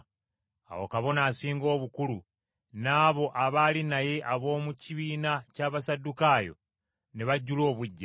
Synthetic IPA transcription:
a̰wo̞̰kaβo̞naːsiːŋɡo̞ːβukulu | naːβo̞ʔaβalinaje̞ʔaβo̞ːmuciβiːnacaːβasadukajo̞̰ | ne̞βaɟːulo̞ːβuɟːa

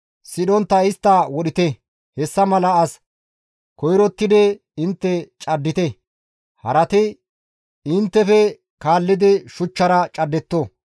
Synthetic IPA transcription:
sɪɗɔnt̪ːɐɪst̪ːɐwɔɗɪt̪ɛ | hɛsːɐmɐlɐɐs | kɔjɾɔt̪ːɪd̪ɛ | ɪnt̪ːɛt͡ʃʼɐd̪ːɪt̪ɛ | hɐɾɐt̪ɛ | ɪnt̪ːɛfɛ | kaːlːɪd̪ɛʃʊt͡ʃːɐɾɐt͡ʃʼɐd̪ːɛt̪ːo

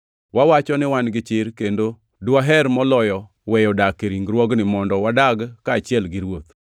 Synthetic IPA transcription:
wawat͡ʃɔnɪwanɡɪt͡ʃɪɾkendo | dwaɦɛɾmɔlɔjɔ | wɛjɔdakeɾiŋɡɾwɔɡnɪmɔndɔwadaɡkaːt͡ʃɪɛlɡɪɾwot̪

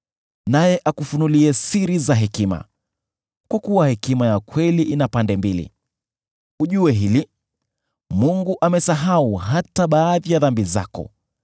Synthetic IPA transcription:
najɛʔakufunuliɛsiɾizaɦɛkima̰ | kwakuwahɛkimajakwɛliʔinapandɛmbilḭ | uʄuɛɦili | muŋɡuʔamɛsaɦauɦataɓaːðijaðambiza̰kɔ̰

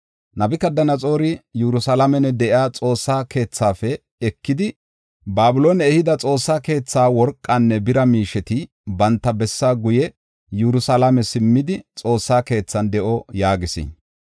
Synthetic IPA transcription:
nɐbɪkɐd̪ɐnɐt͡sʼo̞ːɾɪjuɾʊsɐlɐmɛnɛd̪ɛʔɪaːt͡sʼo̞ːsːaːkʰe̞ːt͡sːaːfɛ | ɛkːɪd̪ɪ | baːbʊlo̞ːnɛɛhɪd̪ɐt͡sʼo̞ːsːaːke̞ːt͡sːaːwɔɾkʼːanːɛbɪɾɐmiːʃɛt̪ɪ | bɐnt̪ːɐbɛsːaːɡʊjɛ | juɾʊsɐlɐmɛsɪmːɪd̪ɪt͡sʼo̞ːsːaːke̞ːt͡sːɐnd̪ɛʔɔjaːɡɪsɪ̰

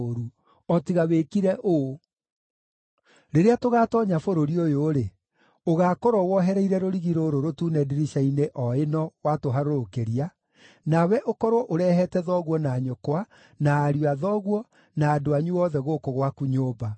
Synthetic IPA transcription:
ɾu | ɔtiɣaweːkiɾɛʔo | ɾeɾeatoɣaːtɔɲafoɾoɾiojoːɾe | oɣaːkoɾɔwɔɦɛɾɛiɾɛɾoɾiɣiɾoɾoɾotuːnɛdiɾiʃaineʔɔenɔwatoɦaɾoɾokeɾia | nawɛʔokɔɾwɔʔoɾɛhɛtɛðɔɣwɔnaːɲokwa | naːɾuaðɔɣwɔ | naːdoaɲuɔðɛɣokoɣwakuɲoːba

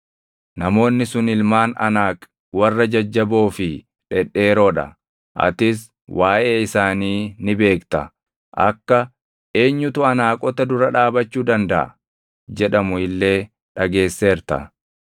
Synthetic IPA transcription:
nɐmo̞ːnːɪsʊnɪlmaːnɐ̰naːkʼ | wɐrːɐd͡ʒɐd͡ʒːɐbo̞ːfɪ | ᶑɛᶑːe̞ːɾo̞ːᶑɐ̰ | ʔɐ̰t̪ɪs̬ | wʔaːʔe̞ːɪsaːniːnɪbe̞ːkt̪ɐ | ʔɐ̰kːɐ | ʔe̞ːɲːʊt̪ʊɐnaːkʼɔt̪ɐd̪ʊɾɐᶑaːbɐt͡ʃːuːd̪ɐnd̪ɐʔɐ̰ | d͡ʒɛᶑɐmʊɪlːe̞ː | ᶑɐɡe̞ːsːeːɾt̪ɐ̰

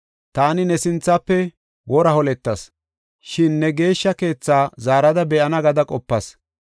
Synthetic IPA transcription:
t̪aːnɪnɛsɪnt͡sːɐpːɛ | wɔɾɐhɔlɛt̪ːɐs | ʃɪnːɛɡe̞ːʃːɐke̞ːt͡sːaːzaːɾɐd̪ɐbɛʔɐnɐɡɐd̪ɐkʼɔpːɐs

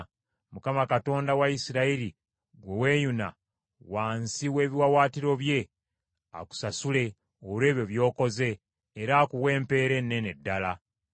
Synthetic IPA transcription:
mukamakato̞ːndawaisiɾaiɾi | ɡwe̞we̞ːjuna̰ | waːnsiwe̞ːβiwawaːtiɾo̞βje̞ | a̰ku̥sasule̞ | ole̞ːβjo̞βjo̞ːko̞ze̞ː | ɾakuβwe̞ːmpe̞ːɾe̞nːe̞ne̞dːala

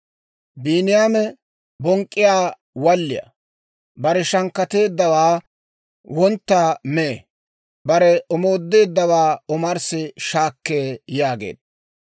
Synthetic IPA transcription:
biːnɪjaːmɛ | bɔŋkʼːɪjaː | wɐlːɪ̰jɐ̰ | bɐɾɛʃɐŋkːɐt̪e̞ːd̪ːɐwaː | wɔnt̪ːaːmeː | bɐɾɛɔmo̞ːd̪ːe̞ːd̪ːɐwaːɔmɐɾsɪʃaːkːeːjaːɡḛːd̪̚ɐ

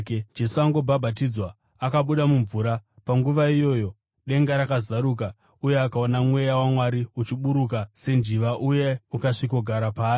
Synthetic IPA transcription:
d͡ʒe̞suaŋɡo̞bʱabʱat̬id͡zwa | akaɓuɗamuɱvuɾapaŋɡuʋaijo̞ːjo̞ | ɗe̞ŋɡaɾakazaɾuk̬a | uje̞akao̞namwe̞jawamwaɾiut͡ʃiɓuɾuk̬ase̞nd͡ʒiʋaʔuje̞ukaʂiko̞ɡʱaɾapaː

